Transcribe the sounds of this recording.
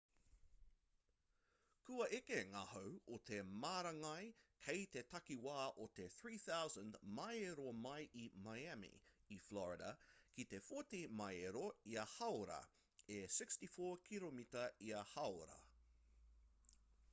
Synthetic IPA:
kʉɐʔekeŋahowot̪ʰemaːɾɐŋɐjkʰejt̪etɐkiwaːʔot̪eθɹiːθawzə̃ndmajeɾomajʔimajæmḭiflɔɹɪɾɐ̰kit̪efotimɐjeɾoiɐhɐwɾɐ̰ | esɪkstifoːkʰilomitɐiɐhɐwɾɐ̰

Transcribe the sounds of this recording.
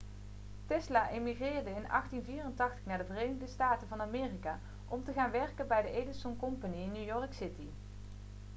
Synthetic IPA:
tɛslaʔemiχrɪːrdəɪnɑ̰χtinviːrəntɑχtə̥χnaːɹdəvərejnəɣdəstaːtəvɑnamɪːrikaː | ʔɔmtəχaːnʋɛrkənbɛjdəʔejdənsɔnkɔmpaniɪnːjujɔrksɪti

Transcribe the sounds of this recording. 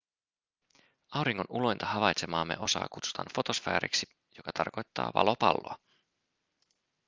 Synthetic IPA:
ɑwɾiŋːo̞nulo̞jnt̪ɑɦɑʋɑjt̪se̞mɑːmːe̞ʔo̞sɑ̰ːkut̪su̥t̪ɑnfo̞t̪o̞sfæ̰ːɾḭksi | jo̞kɑt̪ʰɑrko̞jt̪ːɑ̰ːʋɑ̰lopɑlːo̞̰ɑ

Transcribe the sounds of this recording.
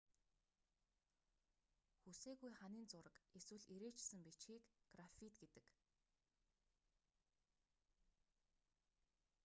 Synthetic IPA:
xuseːɣujχaniːnt͡sʊɾə̆keswɘ̆ɮiɾeːt͡ɕsɘ̆mpit͡ɕxiːkɡ̥rafit̪ɡet̪ɘ̆k

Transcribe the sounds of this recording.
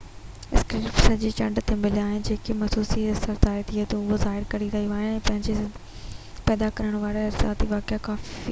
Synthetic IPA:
ɪskɾiːpsɐd͡ʑet͡ɕɐɖt̪emɪliaːɦɪnɪ̆d͡ʑeːkemɐsuːsisɐɾt̪aːet̪ʰiet̪ɐʊɦozaːɦɪɾkɐɾiɾɐɦijuaːɦɪjɛ̃ːpɐ̃ɦɪ̃ɲd͡ʑe | pɛːd̪akɐɾəɽ̃ʋaːɾeɾsa̰ːt̪iʋaːkɪakaːfi

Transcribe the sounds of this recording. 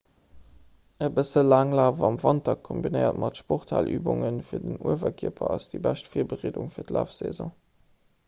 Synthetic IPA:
əbəsəlaːŋlaːvɑmvɑntɐkʰːombinəɪɐ̰tmʔɑtʃpoχtʰaːlʔyːbʊŋənfiːɐdənuəvɐkʰiəpʰɐɑsd̥ibæʃtfiːɐbəʁeːdʊŋfiːɐtlæːfz̥ḛzɔ̃ː

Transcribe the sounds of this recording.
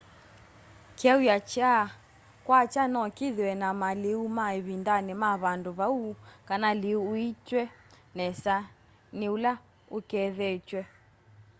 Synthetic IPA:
kiaujat͡ʃa | kwat͡ʃanɔkiðiwɛnamaliumaiβindanɛmaβanduβaukanaliuːit͡ʃwɛ | nɛsa | niula | ukɛðɛt͡ʃwɛ

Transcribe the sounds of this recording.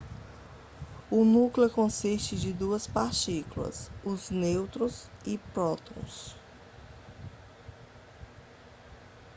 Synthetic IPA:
ʊnukleʊkõsist͡ʃɪd͡ʒɪd̪uɐspaɾt͡ʃikulɐ̰sʊznewt̪ɾʊzɪpɾɔt̪õw̃s

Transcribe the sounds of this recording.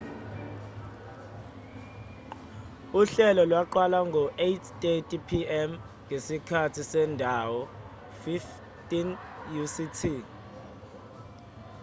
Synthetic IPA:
uɬɛlɔlwaǃwalaŋɡʱɔʔetʰtʼetʼipʰiɛm | ŋesikʰatʰisɛndʱawɔ | fif | tʼin | jusitʰi

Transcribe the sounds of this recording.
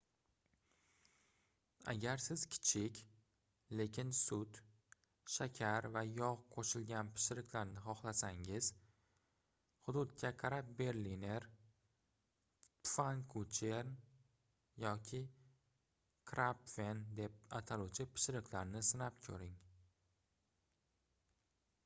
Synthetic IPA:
a̰ɡʲaɾsɪz̥kʲʰɪ̥t͡ʃʰɪkʲ | le̞kʲʰɪnsʊd̪ | ʃakʲʰaɾvajɒʁqʰoʃɪlɡʲanpʰɪ̥ʃɪɾɪkʲʰlaɾnɪχɒχlˠasaŋɪz̥ | hʊd̪ʊd̪̚kʲʰakʰaɾap̚be̞ɾline̞ɾ | tfaŋkʰut͡ʃʰeɾn | jɒkʲʰɪ | kʰɾapfe̞nd̪e̞p̚at̪ʰaluwt͡ʃʰɪpʰɪ̥ʃɪɾɪkʰʲlaɾnɪsɪnap̚kʲʰɵ̰ɾɪŋ

